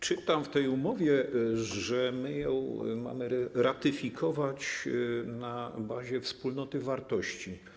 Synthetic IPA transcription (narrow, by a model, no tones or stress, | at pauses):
t͡ʂɘt̪amft̪ɛjumɔvʲjɛʐɛmɘjɔ̃w̃ma̰mɘɾat̪ɘfʲikʰɔvat͡ɕnabaʑɛfspulnɔt̪ɘvaɾt̪ɔɕt͡ɕi